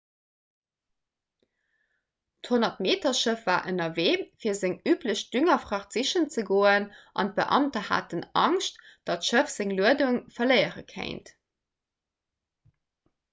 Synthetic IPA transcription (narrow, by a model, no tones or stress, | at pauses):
thonɐtmeːtɐʃəfvaːʔənɐveːfiːɐzeŋyːpləɕd̥yŋɐfʁɑχz̥iʃənt͡səɡoːənʔɑ̰nt̚bə̰ʔɑ̰mtɐha̰ːtənɑ̰ŋʃtd̥ɑtʃəfz̥eŋluəduŋfɐlɜɪəʁə̰kʰḛɪnt